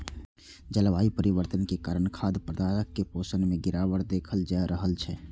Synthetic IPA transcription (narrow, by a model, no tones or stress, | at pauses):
d͡ʒəlʋaːipəɾiʋəɾt̪ənkekaɾənkʰaːd̪pɾəd̪aːɾəkːepoːsənmẽɡɪɾaːʋəɾd̪eːkʰəld͡ʒaeɾəɦəlt͡ʃʰɛː